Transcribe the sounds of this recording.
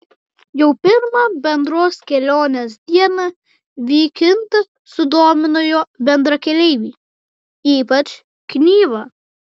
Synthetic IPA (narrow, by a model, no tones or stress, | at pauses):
jɛʊpʲɪɾmɐbʲɛnd̪ɾoːskʲɛlʲoːnʲeːsd̪ʲiɛnɐ | ʋʲiːkʲɪnt̪ɐ | sʊd̪oːmʲɪnʊjoːbʲɛnd̪ɾɐkʲɛlʲɛɪʋʲiː | iːpɐt͡ʃ | knʲiːʋɐ